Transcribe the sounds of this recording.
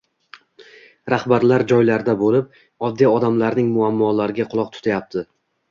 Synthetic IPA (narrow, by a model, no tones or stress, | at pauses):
ɾahbaɾlaɾd͡ʒɒjlaɾd̪abolɪp̚ | ɒd̪ːiɒd̪amlaɾnɪŋmʊamːɒlaɾɪɡʲaqʰʊlˠɒq̚t̪ʰʊ̥t̪ʰajap̚t̪ʰɪ